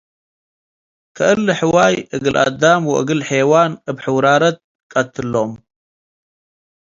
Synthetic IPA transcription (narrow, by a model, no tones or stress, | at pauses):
kʰɨʔɨlːɨħɨwajʔɨɡɨlʔa̰d̪amwɔ̰ʔɨ̰ɡɨlħewanɨbħɨwɾaɾɐt̪̚ | kʼɐt̪ʰːɨlːom